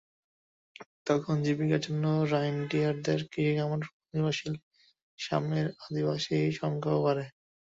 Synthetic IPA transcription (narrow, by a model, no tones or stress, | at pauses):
t̪ɔkʰond͡ʑibikaɾd͡ʑonːoɾajnɖiaɾd̪eɾkiiɡamon | nibaʃil | ʃa̰meɾad̪ibaʃiʃɔŋkʰaopaɾe